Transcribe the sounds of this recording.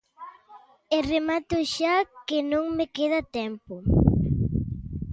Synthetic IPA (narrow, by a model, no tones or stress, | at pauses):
eremat̪ʊʃakenõŋmekeð̞at̪ɛmpʊ